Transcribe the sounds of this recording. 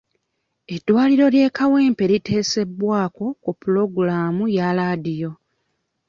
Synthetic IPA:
e̞dːwaːliɾo̞lje̞ːkawe̞ːmpe̞ɾite̞ːse̞bːwaːko̞kupulo̞ɡulaːmujalaːdijo̞

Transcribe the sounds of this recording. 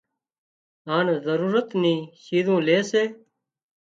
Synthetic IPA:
aːnzəɾuːɾət̪niːɕiːzũːleːseː

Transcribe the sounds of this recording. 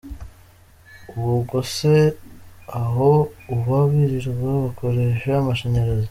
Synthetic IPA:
uβuɡose | aɦouβaβiɾiɾɡaβako̞ɾeʃeamaʃeɲeɾezo

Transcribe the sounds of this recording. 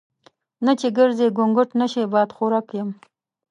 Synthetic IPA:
nat͡ʃeɡəɾzeɡʊŋɡʊʈnaʃebɑd̪xoɾɑkjəm

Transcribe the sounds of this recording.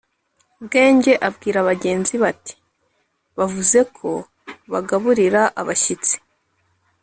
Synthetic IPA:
bɡe̞ːɲɟe̞ʔabɡiːɾaβaɟe̞ːnziβati̥ | βavuze̞kʰo̞ | βaɡaβuɾiɾaʔaβaʃit͡si̥

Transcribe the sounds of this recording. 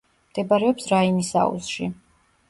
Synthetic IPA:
md̪̥ɛbaɾɛɔpsɾainisa̰ṵzʃḭ

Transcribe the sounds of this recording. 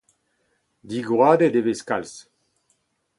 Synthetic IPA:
d̪iɡʁwaːd̪ed̪eveskals

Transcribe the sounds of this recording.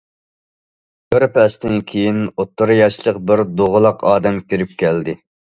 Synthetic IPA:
kʲøɾpɛst̪ɪnkʲʰejinot̪ʰːɨɾjɑʃlˠəqbɪɾd̪oʁəlˠɑqʰɑːd̪ɛmkʲiɾɪp̚kʲɛld̪ɪ

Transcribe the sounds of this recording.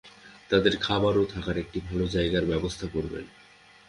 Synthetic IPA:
t̪ad̪eɾkʰabaɾot̪ʰakaɾek̚ʈibʱalod͡ʑaeɡaɾbɛbost̪ʰakoɾbḛn

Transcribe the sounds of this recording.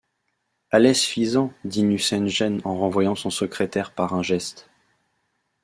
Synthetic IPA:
alɛsfizɑ̃d̪inysɛnʒɛnɑ̃ʁɑ̃vwajɑ̃sɔ̃səkχet̪ɛʁpaʁɛ̃ʒɛst̪

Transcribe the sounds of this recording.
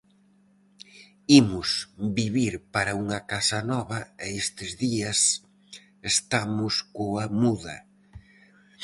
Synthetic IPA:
imʊsbiβiɾpaɾɐuŋɐkasɐnɔβɐɛest̪ɪzðiɐs | est̪amʊskoamuðɐ

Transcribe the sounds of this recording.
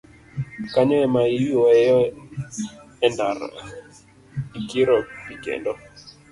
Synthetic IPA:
kaɲɔɛmaiiɔɛjɔ | ɛndaɾ | ikiɾɔpikḛndɔ

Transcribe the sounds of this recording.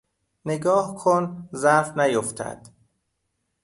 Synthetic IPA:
neɡɒːhkʰonzæfnæjoft̪ʰæ̰d̪̥

